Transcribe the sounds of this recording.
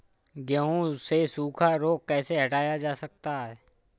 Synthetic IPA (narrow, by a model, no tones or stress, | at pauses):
ɡəɦũsesuːkʰaɾoːkkɛːseɦɐʈaːjad͡ʒaːsɐk̚t̪aɦɛː